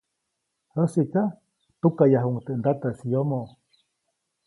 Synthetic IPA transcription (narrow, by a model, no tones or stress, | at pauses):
həsika | t̪ukajaɦuŋt̪eʔnd̪at̪asijomo